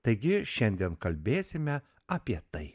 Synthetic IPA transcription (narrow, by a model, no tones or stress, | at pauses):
t̪ɐɪɡʲɪʃʲɛnʲd̪ʲiɛnkɐlʲbʲeːsʲɪmʲɛ | aːpʲiɛt̪ɐɪ